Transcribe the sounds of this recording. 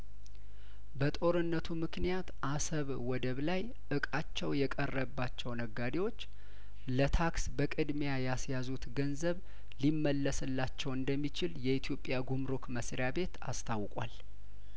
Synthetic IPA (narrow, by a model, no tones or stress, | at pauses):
bət̪ʼo̞ɾɨnːət̪ʰumɨknijat̪ʔasəβ | wɔd̪əβlaj | ʔɨkʼat͡ʃːɛwjɛkʼərːəbːat͡ʃːɛwnəɡːad̪ewo̞t͡ʃː | lət̪ʰaksbəkʼɨd̪mejajasjazut̪ɡənzəβ | limːəlːəsɨlːat͡ʃːɛwɨnd̪əmːit͡ʃɪljɛit̪ʰijo̞pʼːjaɡumɾokməsɾijabe̞t̪a̰st̪ʰawkʼwa̰l